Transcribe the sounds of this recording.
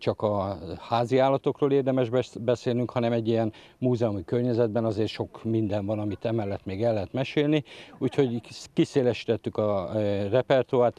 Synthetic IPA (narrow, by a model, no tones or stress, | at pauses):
t͡ʃɒkɒhaːziaːlːɒt̪o̞kroːleːrd̪ɛmɛʒbbɛseːlnyŋkhɒnɛmɛɟːijɛn | muːzɛumikørɲɛzɛd̪̚bɛnɒzeːrʃo̞kmind̪ɛɱvɒnɒmit̪ɛmɛlːɛt̪meːɡɛlːɛɦɛt̪mɛʃeːlniuːcho̞ɟkiseːlɛʃi̥t̪ɛt̪ːykɒrɛpɛrt̪uaːrt̪